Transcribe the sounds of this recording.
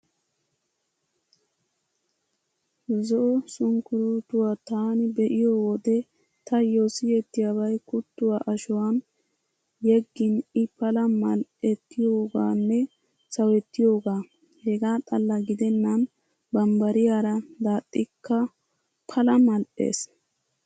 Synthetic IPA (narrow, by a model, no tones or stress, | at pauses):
zɔʔɔsʊŋkʊɾut̪ʊwaːt̪aːnɪbɛʔɪjowɔd̪ɛ | t̪ɐjɔsɪjɛt̪ːɪjaːbɐjkʊt̪ːʊwaʔɐʃʊwan | jɛɡːɪnɪpɐlɐmɐlʔɛt̪ːɪjoːɡa̰ːnːɛ | sɐwɛt̪ːɪjo̞ːɡaː | hɛɡaːt̪ʼɐlːɐɡɪd̪ɛnːɐn | bɐmbɐɾɪjaɾɐd̪aːtʼːɪkːɐ | pʰɐlɐmɐlʔḛːs